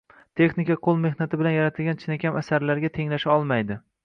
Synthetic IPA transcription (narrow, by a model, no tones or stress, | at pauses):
t̪ʰe̞χnɪkʲaqʰolˠme̞hnat̪ʰɪbɪlanjaɾat̪ʰɪlɡʲant͡ʃʰɪnakʲʰamasaɾlaɾɡʲat̪ʰe̞ŋlaʃaɒlˠmajd̪ɪ